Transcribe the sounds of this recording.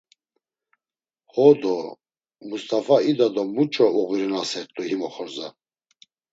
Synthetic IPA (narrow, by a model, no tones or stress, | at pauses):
hɔd̪ɔ | must̪ʼafaid̪ad̪ɔmut͡ʃʼɔuɣiɾinasɛɾt̪ʼuhimɔχɔɾza